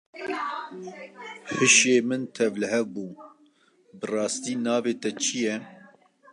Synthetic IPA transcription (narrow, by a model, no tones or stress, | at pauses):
ħɨʃeːmɨnt̪ʰɛvlɨhɛvbuː | bɨrɑːst̪iːnɑːveːt̪ɛt͡ʃʰɨjɛ